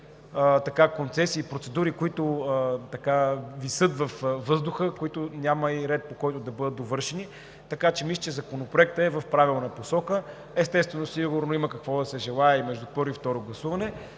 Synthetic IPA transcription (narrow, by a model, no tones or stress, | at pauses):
ət̪ɐkakont̪sɛsiːpɾot̪sɛd̪uɾikoit̪ʊət̪ɐkavisɤt̪vɐfvɤzd̪ʊxəkoit̪ʊnʲaməiɾɛt̪̚pokɔjt̪ʊd̪ɐbɤd̪ət̪ovɤɾʃɛni | t̪ɐkat͡ʃɛmislʲt͡ʃɛzɐkonopɾoɛk̚t̪əɛvɐfpɾavilˠnəposɔkə | ɛst̪ɛst̪vɛnosiɡʊɾnoiməkɐkvɔd̪ɐsɛʒɛlˠaɛimɛʒd̪upɤɾoift̪ɔɾoɡlˠɐsuvɐnɛ